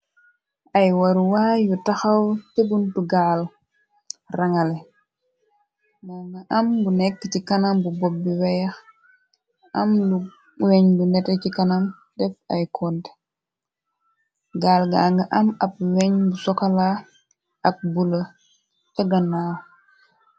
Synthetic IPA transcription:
ʔɐjwɐɾuwaːjutaxɐwtebuntuɡaːl | raŋɐlɛ | naŋɡɐʔɐmbunɛkːətikanambubɔbːiwɛjɐx | ʔɐmlu | wɛɲlunɛtɛcikɐnam | dɛfɐ̰jkʰɔnt | ɡaːlɡa̰ŋɡɐʔɐmɐp̚wɛɲbusɔkala | ʔɐk̚bulɐ | t͡ʃɐɡɐnaː

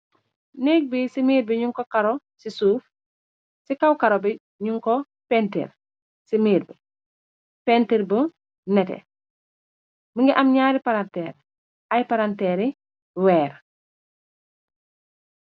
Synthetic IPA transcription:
nɛk̚bisimiːɾbiɲuŋkɔkaɾo | sisuːf | sikawkaɾobɛ | ɲuŋkɔ | pɛntḛr | simiːɾbɛ | pɛntiɾbə | nɛtɛ̰ | məŋɡiʔɐmɲaːɾipaɾantɛːɾ | ʔɐjpaɾantɛːɾi | wɛːɾ

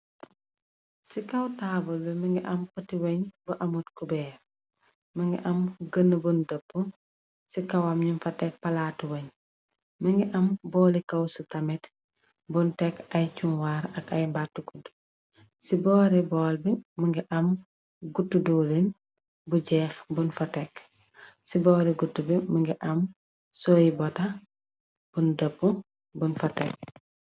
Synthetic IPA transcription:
sikɐwtabɔlbɛmɐŋɡiʔɐmkɔtiwɐɲbuʔɐmutkubɛːɾ | mɐŋɡḭʔɐmɡənːəbundəpːu | sikɐwɐmɲunfɐtːɛk̚pɐlatwɐɲ | mɐŋɡiʔɐmbɔːlikɐwsutɐmɛt | bɔntɛkɐjt͡ʃunwaɾɐkɐjmbatːukud | sibɔːɾibɔːlbiməŋɡiʔɐm | ɡutːuduːlin | buɟɛːxbunfɐtɛk | sibɔɾiɡutːubiməŋɡiʔɐm | sɔjibɔtɐ | b̥undɐpːu | bunfɐtɛk̚

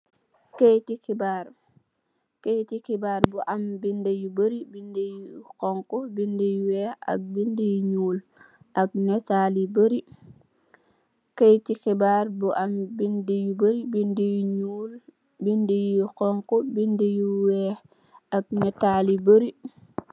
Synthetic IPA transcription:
kejtikibaːɾ | kejtikibaːɾbuʔambindejubəɾibindejikoŋkobindijuwea̰k̚bindejuɲuːl | ʔak̚nɛtalibəɾi | kejtixibaːɾbuʔambindejubəɾibindijɲul | bindejiukɔŋkobindejuwe | ak̚netalibəɾi

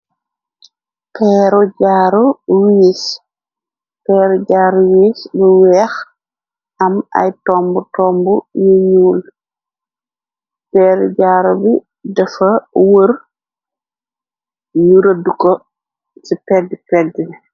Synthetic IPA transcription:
pɛːɾɔɟaːɾɔwiːs | pɛːɾɔɟaːɾuwiːsbəwɛːx | ʔɐmɐ̰jtɔmbutɔmbujuɲuːl | pɛːɾɔɟaːɾubi | dɛfɐwər | juɾɐdukɔ | sipɛdːipɛdːin

